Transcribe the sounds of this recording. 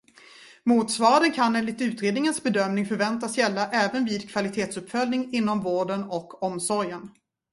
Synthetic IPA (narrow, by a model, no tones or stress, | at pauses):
muːt̪svɑːɾaɾənkʰaneːnlɪkt̪ʉ̟ːt̪ɾeːd̪nɪŋənsbɛd̪œmnɪŋfœɾvɛnt̪asjɛlːaʔɛːvənviːd̪kʰv̥alɪt̪ʰeːt̪sɵpːfœlnɪŋɪnːɔmvoːɖənɔkʰːɔmsɔɾjən